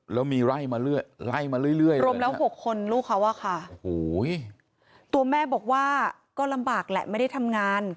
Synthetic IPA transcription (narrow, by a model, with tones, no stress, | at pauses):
lɛː˦˥wmiː˧ɾa˥˩jmaː˧ɾɯ˥˩əjɾa˥˩jmaː˧ɾɯ˥˩jlɯ˥˩əjɾoː˧˦˧mlɛː˦˥˦ho˨˩kʰːo˧nɾuː˥˩kʰa˦˥wʔa˥˩kʰa˥˩o˨˩hoː˩˦j | t̪u˧ɐmɛː˥˩bɔː˨˩k̚waː˥˩ | kɔː˥˩la˧mbaː˨˩k̚lɛ̰˨˩ʔma˥˩jda˥˩jt̪ʰa˧mŋaː˧n